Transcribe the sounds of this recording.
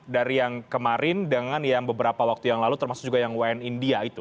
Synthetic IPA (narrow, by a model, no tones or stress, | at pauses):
daɾijaŋkəmaɾɪndəŋanjaŋbəbəɾapawak̚t̪ujaŋlalut̪ərmasʊ̥k̚d͡ʒuɡajaŋwaɛnindiait̪u